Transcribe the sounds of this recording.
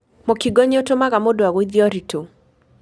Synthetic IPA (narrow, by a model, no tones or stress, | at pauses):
mokiɡɔɲotomaɣamodoaɣoid̪jɔɾitʰo